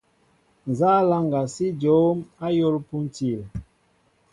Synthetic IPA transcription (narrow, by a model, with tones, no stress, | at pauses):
n˨zaː˦la˦ŋɡa˨si˦d͡ʒo˨˦ma˦jo˦lpu˦n˦ti˨l